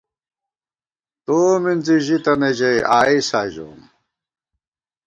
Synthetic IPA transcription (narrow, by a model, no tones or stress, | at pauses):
t̪oːmind͡ziʑit̪ɐned͡ʑejaːisaːd͡ʑo̰ːm